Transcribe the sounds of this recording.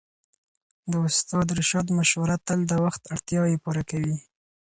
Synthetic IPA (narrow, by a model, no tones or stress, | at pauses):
d̪əʊst̪ɑd̪ɾɪʃɑd̪maʃwaɾat̪ːəld̪əwaxt̪aɽt̪jɑjepuɾakawi